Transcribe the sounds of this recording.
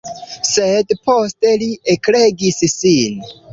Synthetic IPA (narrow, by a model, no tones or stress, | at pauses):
sedposte̞liekleɡissin